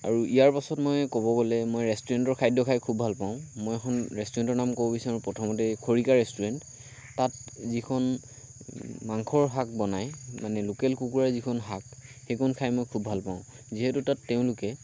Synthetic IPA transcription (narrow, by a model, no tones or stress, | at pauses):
a̰ɹuijaɹpasɔtmɔjkɔβɔɡɔlɛmojɹɛstuɹɛntɔɹkʰajdʱɔkʰajkʰubʱalpaʊ̃mɔjɛkʰɔnɹɛstuɹɛntɔɹnamkɔbɔbisaɹupɹɔtʰɔmɔt̬ɛkʰoɹikaɹɛstuɹɛntː | at̚zikʰɔn | maŋkʰɔɹɦak̚bɔnajmanɛlokɛlkukuɹaɹzikʰɔnɦakxekʰɔnkʰajmɔjkʰubʱalpãʊ̃ | ziɦɛtutatːeʊ̃lʊkɛ